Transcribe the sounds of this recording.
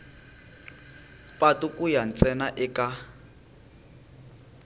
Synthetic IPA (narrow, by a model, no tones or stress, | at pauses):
pʼatukʼujan̩t͡sʼɛnaʔɪkʼa